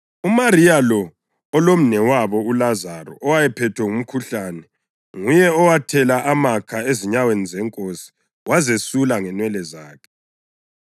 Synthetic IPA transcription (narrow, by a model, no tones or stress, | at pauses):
umarijalɔ | ɔlom̩nɛwaβɔulazarɔ̰ɔwajɛpʰɛtʰwɛŋum̩kʰuɬaːnɛ | ŋujɛɔwatʰɛlaʔamakʰaeziɲawenizɛŋkʼosi̥ | wazesulaŋɛnwɛlɛza̰ːkʰɛ̥